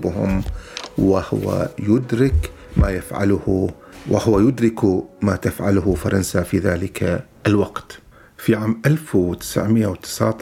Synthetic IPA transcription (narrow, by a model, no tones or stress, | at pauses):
bhʊ̰mwɪhʊwa̰jʊd̪ɾɪk | maːjafʕa̰lʊhu | wʔɪ̰hʊwajʊd̪ɾɪkumaːt̪afʕalʊhʊfɑɾˤɑnsafiðaːlɪkʰa | ʔlwaqt̪ | fiʕaːmʔalfwt̪ɪ̥sʕmɪjːʔːawt̪ɪ̥sʕt̪